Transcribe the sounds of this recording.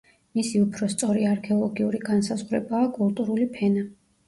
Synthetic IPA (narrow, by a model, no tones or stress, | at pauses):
misiupʰɾɔst̪sʼɔɾiaɾkʰɛɔlˠɔɡiuɾiɡansazʁwɾɛbaːkʼulˠt̪ʼuɾulipʰɛna